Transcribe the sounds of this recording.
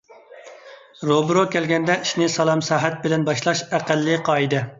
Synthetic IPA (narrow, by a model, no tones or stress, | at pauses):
ɾobɾokʲɛlɡʲɛnd̪ɛiʃnɪsɑlˠɑmsɑːɦæt̪̚bɪlɛnbɑʃlˠɑʃæqælːɪqʰɑːid̪ɨ